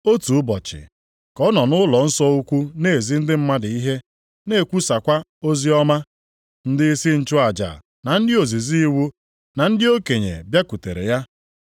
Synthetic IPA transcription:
o˦tu˨˦bɔ˨t͡ʃɪ̰˨ | kɔ˦nɔ˨nʊ˦lɔ˨n̩˦sɔ˦u˦kʷu˦ne˦˨e˨zi˦n̩˦dɪ˦m̩˦ma˦dɪ˨i˦ɦe˦ | ne˦˨kʷu˦sa˨kʷa˦o˦zi˦ɔ˦ma˦ | n̩˦dɪ˦i˦si˦n̩˦t͡ʃʊ˦a˨d͡ʒa̰˨ | na˨n̩˦dɪ˦o˨zi˨zi˦i˦wu˦ | na˨n̩˦dɪ˦o˦ke˨ɲḛ˨bja˦ku˨tḛ˨ɾḛ˨ja˦

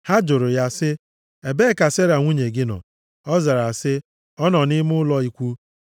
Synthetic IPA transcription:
ha˦d͡ʒʊ˨ɾʊ˨ja˦sɪ˦ | e˨be˦˨ka˨se˦ɾa˨ŋʷu˦ɲe˨ɡɪ˦nɔ̰˨ | ɔ˦za˨ɾa˨sɪ˦ | ɔ˦nɔ˨nɪ˦mʊ˦lɔ˦i˦kʷu˦

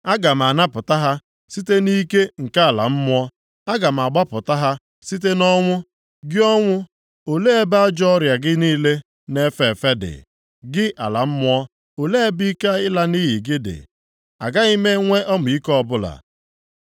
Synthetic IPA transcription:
a˦ɡa˨m̩˨a˨na˦pʊ˨ta˦ɦa˦ | si˦te˦ni˦ke˦ŋ̩˨ka˦a˨la̰˨m̩˦mʊ˦ɔ˦ | a˦ɡa˨m̩˨a˨ɡ͡ba˦pʊ˨ta˦ɦa˦ | si˦t̬e˦nɔ˦ŋʷʊ˦ | ɡɪ˦ɔ˦ŋʷʊ˦ | o˨le˦e˦ba˦d͡ʒɔ˦ɾja˨ɡɪ˦niː˦le˦ | ne˦fe˨fe˦dɪ̰˨ | ɡɪ˦ʔa̰˨la˨m̩˦mʊ˦ɔ˦ | o˨le˦e˦bi˦ka˦ɪ˦la˦ni˦ɦi˨ɡɪ˦dɪ̰˨ | a̰˨ɡa˦i˦me˦ŋʷe˦ʔɔ˦mʊ˨i˦kɔ˦bʊ˦la̰˨

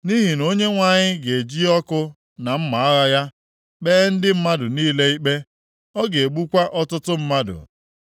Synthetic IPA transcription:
ni˦ɦi˨no˦ɲe˦ŋʷa˨ɲɪ˦ɡe˨d͡ʒi˦ɔ˦kʊ˦ | na˨m̩˦ma˨a˦ɣa˦ja˦ | beː˦n̩˦dɪ˦m̩˦ma˦dʊ˨niː˦le˦i˦k͡pe˦ | ɔ˦ɡe˨e˨ɡ͡bu˦kʷa˦ʔɔ˦tʊ˦tʊ˦m̩˦ma˦dʊ̰˨

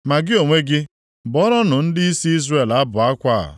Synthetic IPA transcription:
ma˨ɡɪ˦o˨ŋʷe˦ɡɪ˦ | bɔ˨˦ɾɔ˦nʊ˨n̩˦dɪ˦i˦si˦i˦zre˨la˦bʊ˨a˦kʷa̰˦˨

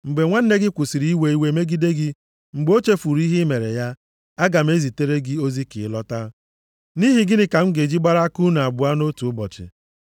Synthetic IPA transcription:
ŋ͡m̩˨ɡ͡be˨ŋʷa˦n̩˦ne˦ɡɪ˦kʷʊ˨si˨ɾi˨˦i˦we˨i˦we˨˦me˦ɡi˦de˦ɡɪ˦ | ŋ͡m̩˨ɡ͡bo˦t͡ʃe˦fu˨ɾi˦ɦɪ˦me˨ɾḛ˨ja˦ | a˦ɡa˨m̩˦e˦zi˨te˦ɾe˦ɡɪ˦o˦zi˦kɪ̰˨˦lɔ˦ta˦ | ni˦ɦi˨ɡɪ˦nɪ˦ka˨ŋ͡m̩˦ɡe˨d͡ʒi˦ɡ͡ba˦ɾa˦a˦ku˦na˨a˨bʊ˨a˦no˦tu˨ʊ˦bɔ̰˨t͡ʃɪ̰˨

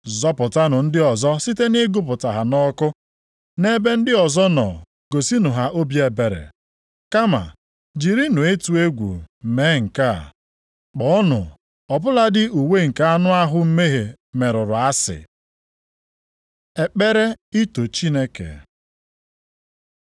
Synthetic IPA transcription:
zɔ˦pʊ˨ta˦nʊ˨n̩˦dɪ˦ɔ˨zɔ˦si˦te˦ne˦ɡʊ˦p̬ʊ˨ta˨ɦa˨nɔ˦kʊ˦ | ne˦be˦n̩˦dɪ˦ɔ˨zɔ˦nɔ̰˨ | ɡo˨si˦nʊ˨ɦa˨ʔo˦bje˨be˨ɾḛ˨ | ka˦ma̰˨ | d͡ʒi˨ɾi˦nʊ˨e˦tu˨e˦ɡʷṵ˨me˨˦ŋ̩˨ka˦˨ | k͡pɔ˨˦ɔ˦nʊ̰˨ | ɔ˨pʊ˦la˦dɪ˦ʔu˨we˦ŋ̩˨ka˦a˦nʊ˦a˦ɦʊ˦m̩˦me˦ɦe˨ | me˨ɾʊ˨ɾʊ˨a˦sɪ̰˨ | e˨k͡pe˦ɾe˦i˦to˨t͡ʃi˦ne˦kḛ˨

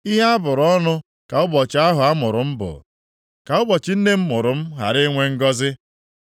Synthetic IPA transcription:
i˦ɦa˦a˦bʊ˨ɾɔ˦nʊ˦ | ka˨ʊ˦bɔ˨t͡ʃɪ˨˦a˦ɦʊ˨a˦mʊ˨ɾʊ˨m̩˦bʊ̰˨ | ka˨ʊ˦bɔ˨t͡ʃɪ˦n̩˦ne˦m̩˦mʊ˨ɾʊ˨m̩˦ɦa̰˨ɾɪ˦ŋʷe˦ŋ̩˦ɡɔ˦zɪ˦

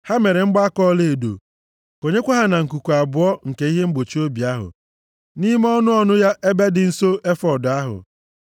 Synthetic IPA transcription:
ha˦me˨ɾe˨ŋ͡m̩˦ɡ͡ba˦a˦kɔ˦le˦˨e˨do̰˨ | ko˨ɲe˦kʷa˦ɦa˦na˨ŋ̩˨ku˨kʷu˨a˨bʊ˨˦ɔ˦ŋ̩˨ke˨˦i˦ɦe˦ŋ͡m̩˦ɡ͡bo˨t͡ʃi˦o˦bi˨a˦ɦʊ̰˨ | ni˦m˦ɔ˦nʊ˦ɔ˦nʊ˦ja˦ʔe˦be˦dɪ˨n̩˦so˦e˦fɔ˨da˦ɦʊ̰˨

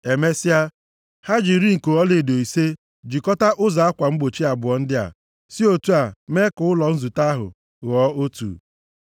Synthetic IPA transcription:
e˨me˦sɪ˦a˦ | ha˦d͡ʒi˨ɾi˦ŋ̩˨ko˨ɔ˦le˨do˨i˨se˦ | d͡ʒi˨kɔ˦ta˦ʔʊ˦za˨a˦kʷa˨ŋ͡m̩˦ɡ͡bo˨t͡ʃi˦a˨bʊ˨ɔ˨n̩˦dɪ˦a̰˨ | si˦o˨tu˦a˨me˦kʊ˨˦ʊ˦lɔ˨n̩˦zu˨ta˦ɦʊ̰˨ | ɣɔ˦o˦tṵː˨

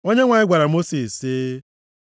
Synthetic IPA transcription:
o˦ɲe˦ŋʷa˨ɲɪ˦ɡʷa˨ɾa˨mo˦si˨sːɪ˦

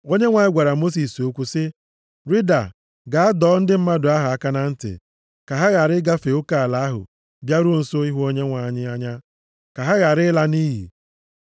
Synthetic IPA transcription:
o˦ɲe˦ŋʷa˨ɲɪ˦ɡʷa˨ɾa˨mo˦s̬i˨so˦kʷu˦sɪ˦ | ɾi˦da̰˨ | ɡa˨a˦dɔː˨˦n̩˦dɪ˦m̩˦ma˦dʊ˨a˦ɦʊ˨a˦ka˦na˦n̩˦tɪ̰˨ | ka˨ɦa˦ɣa˨ɾɪ˦ɡa˦fe˨o˦ka˨a˨la˨a˦ɦʊ̰˨ | bja˦ɾʊ˦n̩˨so˦i˦ɦu˦o˦ɲe˦ŋʷa˨˦ɲɪ˦a˦ɲa˦ | ka˨ɦa˦ɣa˨ɾɪ˦la˦ni˦ɦḭ˨

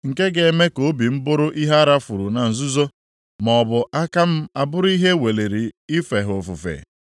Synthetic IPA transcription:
ŋ̩˨ke˦ɡe˨˦me˦ko˦bi˨m̩˦bʊ˦ɾʊ˦ʔi˦ɦa˦ɾa˦fu˨ɾu˨na˨n̩˨zʊ˦zo˦ | mɔ˨bʊ˨ʔa˦ka˦m̩˦a˨bʊ˦ɾʊ˦i˦ɦe˦we˨le˨ɾi˨ɪ˦fe˨ɦo˨fu˨fḛ˨

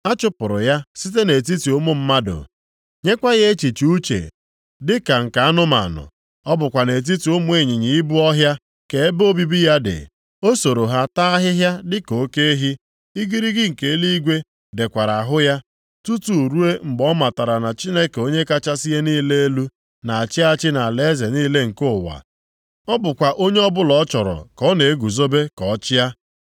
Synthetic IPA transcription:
a˦t͡ʃʊ˦pʊ˨ɾʊ̰˨ja˦si˦te˦ne˨t̬i˦ti˨ʊ˦mʊ˦m̩˦ma˦dʊ̰˨ | ɲe˦kʷa˦ɣe˦e˦t͡ʃi˨t͡ʃi˨u˦t͡ʃḛ˨ | dɪ˦ka˨ŋ̩˨ka˨a˦nʊ˦ma̰˨nʊ̰˨ | ɔ˦bʊ˨kʷa˨ne˨t̬i˦ti˨ʊ˦mʊ˦e˦˨ɲɪ˨ɲi˨i˦bu˦ɔ˦ɦja˦ | ke˨e˦bo˦bi˦bi˦ja˦dɪ̰˨ | o˦so˨ɾo˨ɦa˦ta˦a˦ɦɪ˦ɦja˦dɪ˦ko˨˦ke˦ɦi˦ | i˦ɡi˦ɾi˦ɡɪ˦ŋ̩˨ke˨˦li˦i˦ɡʷe˦ | de˨kʷa˨ɾa˨a˨ɦʊ˦ja˦ | tu˦tu˨ɾu˦e˦mŋ͡m̩˨ɡ͡bɔ˦ma˨ta˨ɾa˨na˨t͡ʃi˦ne˦ke˨o˦ɲe˦ka˦t͡ʃa˦si˦e˦niː˦le˦e˦lu˦ | na˨a˨t͡ʃɪ˦a˦t͡ʃɪ˦na˨le˦ze˨ni˦le˦ŋ̩˨kʊ˦˨wa̰˨ | ɔ˦bʊ˨kʷa˨ʔo˦ɲe˦ɔ˦bʊ˦lɔ˨˦t͡ʃɔ˨ɾɔ̰˨kɔ˦ne˨e˦ɡu˨zo˦be˦kɔ˨˦t͡ʃɪ˦ja˦

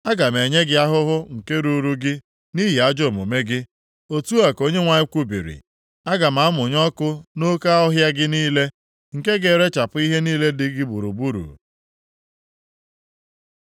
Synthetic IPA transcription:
a˦ɡa˨m˨e˨ɲe˦ɡɪ˦a˦ɦʊ˦ɦʊ˦ŋ̩˨ke˦ɾu˨ɾu˦ɡɪ˦ | ni˦ɦi˨a˦d͡ʒo˦˨mo̰˨me˦ɡɪ˦ | o˦tu˦a˨ko˦ɲe˦ŋʷa˨ɲɪ˦kʷu˦bḭ˨ɾḭ˨ | a˦ɡa˨m̩a˨˦mʊ˨ɲɔ˦kʊ˦no˦ka˦ɔ˦ɦja˦ɡɪ˦niː˦le˦ | ŋ̩˨ke˦ɡe˨ɾe˦t͡ʃa˨pʊ˦i˦ɦe˦niː˦le˦dɪ˦ɡɪ˦bṵ˨ɾṵ˨bu˦ɾṵ˨

